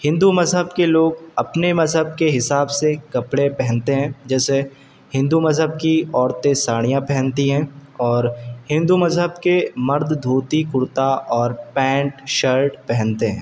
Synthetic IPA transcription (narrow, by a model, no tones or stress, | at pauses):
hɪ̃nd̪umɐzɦəbkeloːɡɐpnemɐzɦəb̚keɦɪsaːbsekɐpɽepɛɦɛ̃nt̪eɦɛ̃ːd͡ʒɛːse | hɪ̃nd̪umɐzɦəb̚kiɔːɾt̪ẽsaːɽ̃ijãpɛɦɛ̃nt̪iɦɛ̃ːɔːɾhɪ̃nd̪umɐzɦəbkemɐɾd̪ʱd̪ʱuːt̪ikʊɾt̪aʔɔːɾpɛ̃ːɳʈʃəɾʈpɛɦɛ̃nt̪eɦɛ̰̃ː